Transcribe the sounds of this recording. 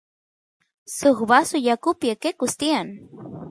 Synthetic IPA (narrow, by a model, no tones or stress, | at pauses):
suxbasujakupjakekʊst̪ian